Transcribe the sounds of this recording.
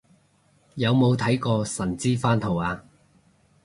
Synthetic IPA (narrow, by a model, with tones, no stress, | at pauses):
jɐ˨˧wmo˨˧wt̪ʰɐ˨˥jkɔː˧sɐ˨˩nt͡siː˥faː˥nt̪ʰo˨˩waː˧